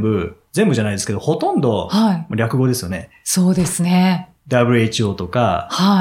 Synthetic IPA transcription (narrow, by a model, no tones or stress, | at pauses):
bɯ̟zẽ̞mbɯʑanaid̪e̞sɨ̥ke̞d̪o̞ho̞t̪õ̞nd̪o̞haimoɾʲakɯ̟ɡo̞d̪e̞sɨjo̞ne̞ | so̞ːd̪e̞sɨne | d̪abɯ̟ɾʲɯ̟e̞t͡ɕio̞ːt̪o̞ka̰ha